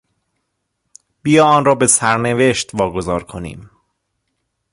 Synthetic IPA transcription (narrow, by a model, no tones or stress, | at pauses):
b̥ijɒːɒːnrɒːbe̞sæɾneve̞ʃt̪vɒːɡo̞zɒːɾkʰo̞nḭːm